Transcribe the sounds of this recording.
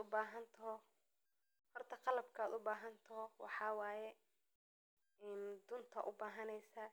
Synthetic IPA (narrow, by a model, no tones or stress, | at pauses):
ʊbaːɦɐnt̪ʰɐɦɔ | hɔrt̪ʰɐqɑlɐbkʰɐaːd̪ʊbaːɦɐnt̪ʰɐɦɔwɑ̰ħɑːwɑːjɛ | ɛːnd̪ʊnt̪ʰɐ̰ʔʊbaːɦɐnɛjsaː